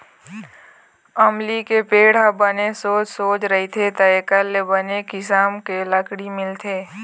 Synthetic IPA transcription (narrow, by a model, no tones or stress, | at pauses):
əmlikepeːɽ̤abənesoːt͡ʃsoːt͡ʃɾɐɦit̪ʰet̪əekəlːebənekɪsaːmkeləkɽimɪlt̪ʰeː